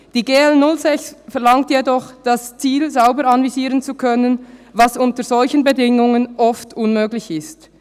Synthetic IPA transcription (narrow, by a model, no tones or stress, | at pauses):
d̥iːɡeːɛlnʊlzɛçsfɛʁlɑŋtjedɔχd̥ast͡siːlzaʊbəɾɑnviziːʁənt͡sukʰœnənvɑsʊntəɾzɔlçənbedɪŋʊŋənʔɔftʊnmøːɡlɪçɪst